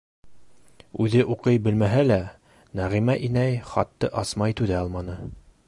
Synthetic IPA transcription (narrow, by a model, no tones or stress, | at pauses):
ʉðɘʔuqɤjbɘ̆lmæɦælæ | næʁimæʔinæjχɑ̰t̪ːɤʔɑsmɑjt̪ʉðæɑlˠmɑnɤ